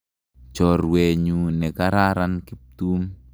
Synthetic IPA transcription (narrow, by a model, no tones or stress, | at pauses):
t͡ʃɔrweɲunɛkaɾaɾankip̚t̪um